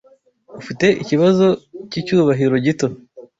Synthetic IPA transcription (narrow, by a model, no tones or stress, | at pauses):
ufite̞ʔiciβazo̞cicuːβaɦiɾo̞ɟito̞